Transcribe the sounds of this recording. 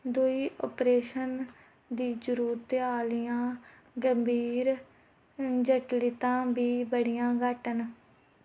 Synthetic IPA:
d̪ʊiːʔo̰ːpɾeːʃən | d̪iːd͡ʒʊɾuːɾt̪aːlɪjãː | ɡəmbʱiːɾ | d͡ʒəʈlit̪ãːbiːbəɽɪjãːɡəʈən

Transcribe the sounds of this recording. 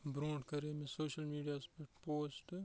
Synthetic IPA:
bɾõːʈkɐɾeːmẽsoːʃəlmiːɖijaːspɐpoːsʈ

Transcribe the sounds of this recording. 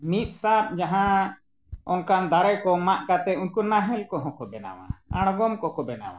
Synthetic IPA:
mit̪̚ˀsap̚d͡ʒaɦã | ɔnkand̪aɾɛkɔmaʔkat̪ɛunkunaɦɛ̃lkɔɦɔ̃kɔbɛna̰wa̰a̰ɽ̃ɡɔmkɔkɔbɛna̰wa̰

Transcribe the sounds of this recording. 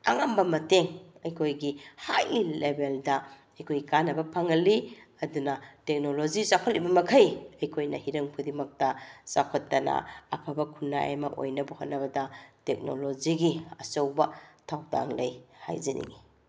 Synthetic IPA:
ɐ̰ŋambɐmɐteŋɐjkʰojɡihajlebeldɐ | ɐjkʰojikanɐbɐpʰɐŋɐliɐdunɐtek̚nolozisakʰot̚libɐmɐkʰɐjɐjkʰojnɐhiɾɐŋpʰudimɐk̚tɐsakʰotːɐnɐ̰ɐ̰pʰɐbɐkʰunːa̰ja̰mɐʔo̰jnɐbuhotnːɐbɐdɐtek̚no̰loziɡiɐsɐwbɐtʰawda̰ŋlɐjha̰jzɐnḭŋi

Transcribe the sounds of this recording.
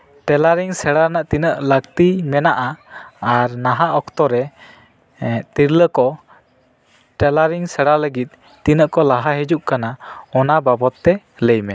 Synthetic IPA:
ʈɛlaɾiŋsɛɽanaʔt̪inəʔləkt̪imɛnaʔaː | ɾnaɦaʔɔkt̪ɔɾɛ | t̪iɾləkɔ | ʈɛlaɾiŋsɛɽaləɡit̪̚ːinəʔkɔlaɦaɦɛd͡ʒuʔkanaɔnababɔt̪ːɛ | ləjmɛ

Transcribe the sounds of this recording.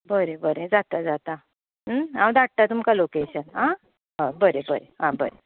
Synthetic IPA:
bəɾẽbəɾẽd͡zat̪ad͡zat̪a | ɦãw̃d̪at̪at̪umkalokeɕənɦã | ɦabəɾebəɾeɦãbəɾe

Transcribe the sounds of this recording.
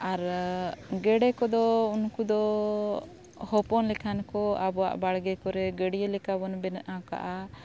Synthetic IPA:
aɾ | ɡɛɽɛkɔd̪ɔunkud̪ɔ | hɔpɔnlɛkʰankɔabɔwa̰ʔbaɽɡɛkɔɾɛɡɛɽijelɛkabɔnbɛnʔaka̰ʔa

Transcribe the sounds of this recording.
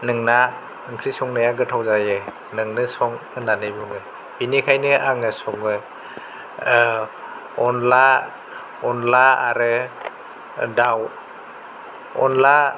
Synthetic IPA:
nɯŋna | ɯŋkʰɾisɔŋnajaɡɯtʰawzajɯ | nɯŋnɯsɔŋɯnanɯbuŋɯ | b̥inikʰajnɯʔaŋɯsɔŋɯ | ɔnla | ɔnlaaɾɯ | daw | ɔ̰nla

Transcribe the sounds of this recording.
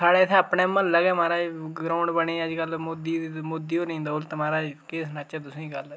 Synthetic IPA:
saːɽɛːt̪ʰɛːəpnɛːməlləɡɛːmaːɾaːd͡ʒɡɾaːʊɳɖbəɳeːəd͡ʒkəlmoːd̪iːmoːd̪iːoːnĩːnd̪aːʊlt̪ːmaːɾaːd͡ʒkeːsnat͡ʃɛːt̪ʊsẽːiɡəl

